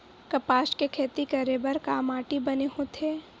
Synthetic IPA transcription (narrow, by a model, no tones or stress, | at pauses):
kɐpaːʃkekʰeːt̪ikɐɾebɐɾkaːmaːʈibɐneɦõt̪ʰeː